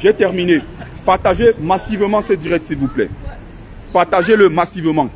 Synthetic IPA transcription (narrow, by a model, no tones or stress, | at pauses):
ʒɛt̪ɛʁmine | paʁt̪aʒemasivmɑ̃səd̪iʁɛk̚t̪silvuplɛ̰ | paʁt̪aʒeləmasivmɑ̃